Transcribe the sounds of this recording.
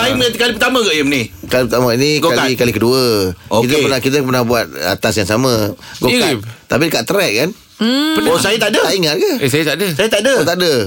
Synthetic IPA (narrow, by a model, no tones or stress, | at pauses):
aimkalipət̪amə̃ɡəʔjimnikalipət̪amainiɡkalikalikəduəokit̪əpənahkit̪̬əpərnahbuat̪̚a̰t̪asjaŋsamə̃ɡot̪ap̬idəkaʔt̪əɾɛʔ̚kan | pəosajat̪adəaiŋat̪̚ɡəesajət̪adəsajat̪aʔdət̪aʔdə